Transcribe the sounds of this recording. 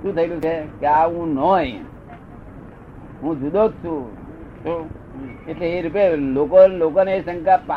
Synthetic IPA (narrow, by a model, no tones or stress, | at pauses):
t̪ũt̪ʰəilũt͡ʃʰekeaũnɔj | ɦũd͡ʒud̪od͡ʒt͡ʃʰũt͡ʃo | eʈleeɾupelokolokoneːsə̃ŋkapa